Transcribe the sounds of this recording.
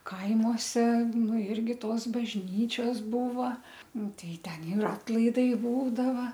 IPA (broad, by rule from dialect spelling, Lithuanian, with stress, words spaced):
ˈkɐɪmoːsʲɛ ˈnʊ ˈɪrʲɡʲɪ ˈtoːs bɐʒʲˈnʲiːt͡ʃʲoːs ˈbuːʋɐ ˈnʊ ˈtɐɪ ˈtʲɛn ɪr ˈɑːtlˠɐɪdɐɪ ˈbuːdɐʋɐ